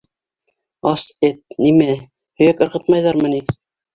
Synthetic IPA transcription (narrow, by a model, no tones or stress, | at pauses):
ɑset̪̚nimæ | hɵ̆jækɤ̆ɾʁɤ̆t̪̚mɑjðɑɾmɤ̆ni